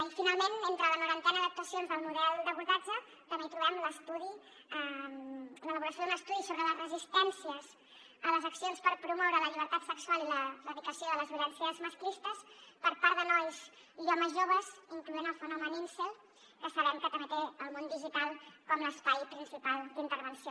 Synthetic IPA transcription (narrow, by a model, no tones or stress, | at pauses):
finalˠmenent̪ɾələnuɾənt̪ɛnəðək̚t̪uəsionzðəlˠmuðɛlˠd̪əβuɾðad͡ʒə | t̪əmet̪ɾuβɛmləst̪uði | ə | lələβuɾəsjoðunəst̪uðisoβɾələzrəzist̪ɛnsiəz | ələzəksionspəɾpɾumɔwɾələʎiβəɾt̪at̪səksualˠiləfəβikəsioðələzβələnsiəzməsklist̪əspəɾpaɾd̪ənɔjz | iɔməzʒoβ̞əziŋkluenəlˠfənɔməninsel | kəsəβɛmkət̪əmet̪eəlˠmond̪iʒit̪alˠkɔmləspajpɾinsipalˠd̪int̪əɾβənsio